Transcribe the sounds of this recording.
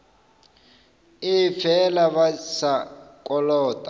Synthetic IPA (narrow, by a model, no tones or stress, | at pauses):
ifɛlaβasakʼɔlɔːtʼa